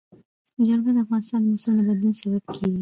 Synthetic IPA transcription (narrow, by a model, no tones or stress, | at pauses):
əd͡ʒaɾɡazd̪afɣɑnɪst̪ɑnd̪əmasulnəbad̪lunsabab̚kʰeɡi